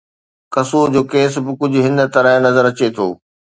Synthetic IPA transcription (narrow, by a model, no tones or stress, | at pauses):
kɐsoːd͡ʑoːkeːs̬bɪkʊd͡ʑʱʊɦɪ̃nd̪t̪ɐɾə̃nɐzəɾɐt͡ɕet̪ʰo̰ː